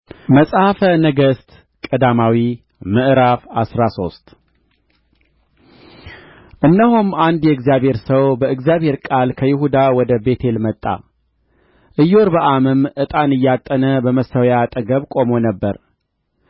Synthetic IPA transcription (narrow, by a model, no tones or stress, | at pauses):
məsʼhafənəɡəst̪ | kʼəd̪amawi | mɨʔɾafasɾaso̞st̪ʼ | ʔɨnːəɦomand̪jɛɨɡzijaβhe̞ɾsəwbəɨɡzjaβhe̞ɾkʼalkʰəjɪhud̪awɔd̪əbe̞t̪ʰe̞lmət̪ʼːa̰ | ʔɨjːoɾbəʔamɨmʔɨt̪ʼanɨjːat̪ʼːənəbəməsəwjat̪ʼəɡəβkʼo̞mo̞nəbːəɾ